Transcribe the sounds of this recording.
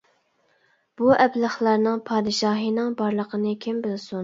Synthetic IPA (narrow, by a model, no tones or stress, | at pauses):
b̥uʔɛblˠɑχlˠɑɾnɨŋpʰɑːd̪ɨʃɑːɦinɨŋbɑɾlˠəqʰənɨkʲʰembɪlsun